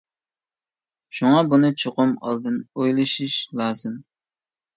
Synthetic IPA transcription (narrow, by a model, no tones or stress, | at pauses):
ʃuŋɑbunɨt͡ʃʰoqʊmɑ̰lˠd̪ɨnojlˠɨʃiʃlˠɑːzɨm